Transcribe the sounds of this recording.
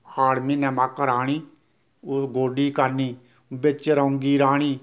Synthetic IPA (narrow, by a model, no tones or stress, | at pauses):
aːɽmiːnɛ̃ːmakɾaːɽ̃iː | ɡoːɖiːkəɾniː | bɪt͡ʃɾəʊŋɡiːɾaːɳiː